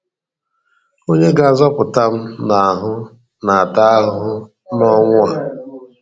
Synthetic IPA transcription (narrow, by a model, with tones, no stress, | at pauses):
o˦ɲe˦ɡa˨zɔ˦pʊ˨ta˦m̩˦na˨a˨ɦʊ˦ | na˨a˨ta˦a˦ɦʊ˦ | nɔ˦ŋʷʊ˦a˨